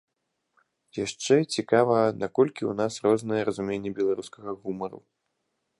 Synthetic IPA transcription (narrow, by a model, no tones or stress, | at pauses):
jaʂt͡ʂɛt͡sʲikavɐnakɔlʲkʲiwnasrɔznɨjɛɾɐzumʲenʲːɛbʲɛlˠaɾuskɐɣɐɣumɐɾṵ